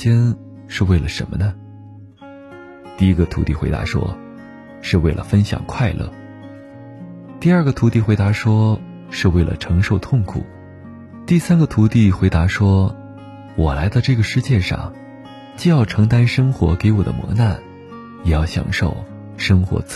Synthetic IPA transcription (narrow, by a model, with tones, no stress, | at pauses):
ɛ˥n | ʂɻ̩˥˧we˥˩ɪlə˩ʂə̰˧˥nmə˧nə˧ | t̪i˥˩i˥ɡə˧t̪ʰṵ˧˥t̪i˥˩xwe˧˥ɪt̪a̰˧˥ʂwɔ̰˥ | ʂɻ̩˥˧we˥˩ɪlə̰˩fə˥nɕjɑ̰˨˩ŋkʰwa˥˧ɪlʔɤ̰˥˩ | t̪i˥˧ɐ˞˥˩ɡə˨˩t̪ʰu˧˥t̪i˥˩xwe˧˥ɪt̪a˧˥ʂwɔ˥ | ʂɻ̩˥˧we˥˩ɪlə̰˩ʈ͡ʂʰɤ˧˥ŋʂo˥˧ʊt̪ʰʊ˥˩ŋkʰṵ˨˩˦ | t̪i˥˩sa˥nɡə˧˨t̪ʰu˧˥t̪i˥˩xwe˧˥ɪt̪a˧˥ʂwɔ˥ | wɔ˨˩la˧˥ɪt͡sʊʈ͡ʂɤ˥˩ɡə˩ʂɻ̩˥˧t͡ɕjɛ˥˧ʂɑ̰˥˩ŋ | t͡ɕji˥˧jɑ˥˩ʊʈ͡ʂʰɤ˧˥ŋt̪a˥nʂɤ˥ŋxwɔ̰˧˥ke˧˥ɪwɔ˨˩d̪ə̰˦mwɔ̰˧˥na˥˩n | jɛ˨˩jɑ˥˩ʊɕjɑ̰˨˩ŋʂo˥˩ʊ | ʂɤ˥ŋxwɔ̰˧˥t͡s